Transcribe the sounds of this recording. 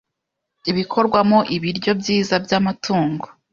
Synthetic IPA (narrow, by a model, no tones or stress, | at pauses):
iβikʰo̞ɾɡwamoʔiβiɾɟo̞bɟiːzabjaːmatʰuːŋɡo